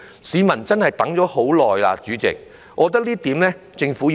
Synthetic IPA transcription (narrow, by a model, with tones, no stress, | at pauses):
siː˨˧mɐ˨˩nt͡sɐ˥nɦɐ˨jt̪ɐ˨˥ŋt͡ʃɔː˨˥ho˨˥wlɔː˨jla̰ː˧t͡ʃyː˨˥t͡sɪ̰˨k̚ | ŋɔː˨˧t̪̬ɐ˥k̚liː˥t̪iː˨˥mlɛː˥ | t͡sɪ˧ŋfu˨˥